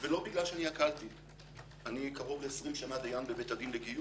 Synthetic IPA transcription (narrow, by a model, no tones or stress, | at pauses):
velo̞biɡlalʃeanihakalt̪i | anikaʁovesʁimʃanadejambebetad̪inleɡiju